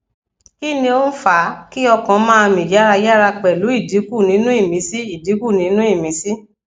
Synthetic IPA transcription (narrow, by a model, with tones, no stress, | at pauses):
ki˦˨nĩ˧o˦n̩˦fa˨˦ki˦ɔ˧kɔ̃˨˦mãː˦˧mĩ˨ja˦ɾa˧ja˦ɾa˧k͡pɛ˨lu˨˦i˦˨di˨˦ku˦˨nĩ˨˦nũ˦i˦˨mĩ˨˦si˦i˦˨di˨˦ku˦˨nĩ˨˦nũ˦i˦˨mĩ˨˦si˦